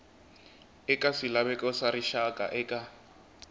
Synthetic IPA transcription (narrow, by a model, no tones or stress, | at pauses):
ɛkʼasilaβɛkʼɔsaɾiʃakʼa̰ʔɛkʼa